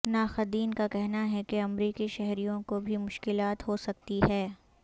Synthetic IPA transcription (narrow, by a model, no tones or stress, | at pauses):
naːxɐd̪iːnkakɛɦnaɦɛkeɐmɾiːkiʃɛɦɾijõkobʱimʊʃkɪlaːt̪ɦosɐk̚t̪iɦɛː